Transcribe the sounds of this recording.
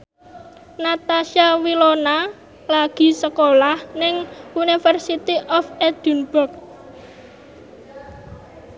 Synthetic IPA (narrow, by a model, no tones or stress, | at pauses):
nat̪aʃiawilona | laɡ̥i̤səkolahnɪŋunifərsit̪iʔɔfɛd̪̥unb̥ʊrk̚